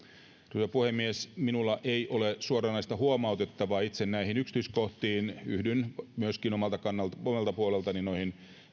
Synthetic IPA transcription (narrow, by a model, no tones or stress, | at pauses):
t̪uot̪ɑpuhemːiesminulːɑʔeiʔolesuorɑnɑist̪ɑhuomɑut̪et̪ːɑʋɑːit̪sennæihinykst̪yiskoht̪iːnyhdynmyøskinomɑlt̪ɑkɑnːɑlt̪omelt̪ɑpuolelt̪ɑninoihin